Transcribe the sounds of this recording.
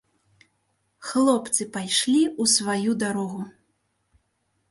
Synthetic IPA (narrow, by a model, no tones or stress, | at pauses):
xlˠɔpt̪sɨpajʂlʲiusvajud̪aɾɔɣu